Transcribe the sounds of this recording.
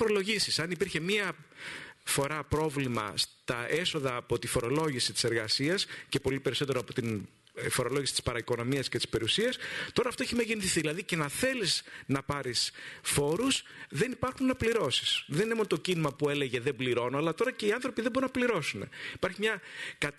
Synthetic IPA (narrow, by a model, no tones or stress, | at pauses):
foɾolo̞ʝisisɐnipiɾçe̞miɐ | fo̞ɾɐpɾo̞vlimɐ̰st̪ɐʔe̞so̞ðɐːpo̞t̪ifo̞ɾo̞lo̞ʝisit̪i̥se̞ɾɣɐsiɐsce̞po̞lipe̞ɾiso̞t̪e̞ɾoɐpo̞t̪in | fo̞ɾo̞lo̞ʝisi̥t̪ispɐɾɐiko̞no̞miɐscet̪i̥spe̞ɾiusiɐst̪o̞ɾɐːft̪o̞eçimeʝeniθiθiðilɐðice̞nɐθe̞liznɐpɐɾisfo̞ɾusðe̞nipɐɾxunnɐpliɾo̞si̥sðenineonot̪ocinimɐpue̞le̞ʝeðe̞mbliɾo̞nuɐlɐt̪o̞ɾɐce̞iɐnθɾo̞piðebo̞ɾunɐpliɾo̞sune̞̰ipɐɾçimɲɐkɐ